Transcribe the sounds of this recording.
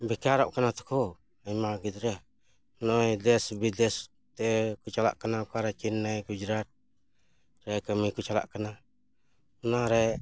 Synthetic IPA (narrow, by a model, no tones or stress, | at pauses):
bikaɾa̰ʔkənat̪u̥kɔ | ajmaɡit̪ɾɛ | nɔjdɛsbidɛs | t̪ɛkut͡ʃala̰ʔkənakaɾat͡ʃinːajkud͡ʒɾat̪̚ | ɾɛkəmikut͡ʃala̰ʔkəna | naɾɛ